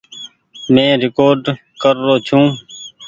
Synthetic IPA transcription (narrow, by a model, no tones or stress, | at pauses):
mẽːɾɪkoːɾɖ | kəɾːoːt͡ʃʰũː